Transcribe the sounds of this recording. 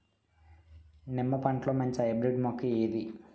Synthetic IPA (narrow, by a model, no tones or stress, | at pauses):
nimːɐpɐɳʈloːmɐɲt͡ʃiɐjbɾeɖmokːɐeːd̪i